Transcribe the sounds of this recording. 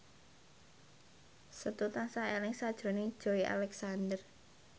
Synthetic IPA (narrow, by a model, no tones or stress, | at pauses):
sət̪ut̪aŋsaelɪŋsad̥ʒ̥ɾo̤ned̥ʒ̥o̤iʔa̰lɛksand̪ər